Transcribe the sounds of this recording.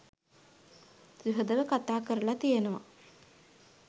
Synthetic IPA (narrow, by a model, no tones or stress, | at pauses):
sɾiɦod̪əʋəkat̪aːkəɾəlat̪ijenəʋa̰